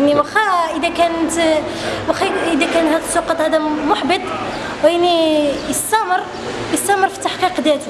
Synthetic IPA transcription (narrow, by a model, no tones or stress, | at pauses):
ʔnːiwæxæʔəd̪ækænət̪ | wæxiəd̪ækænhæd̪əsˤːuqɑt̪ˤhæd̪æmʊħbət̪ˤ | wʔənːijəst̪ːæməɾ | jəst̪ːæməɾˤfi̥t̪ːaħqiqd̪æt̪